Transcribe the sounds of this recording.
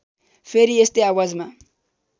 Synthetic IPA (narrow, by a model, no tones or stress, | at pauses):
pʰeɾiest̪eawad͡zma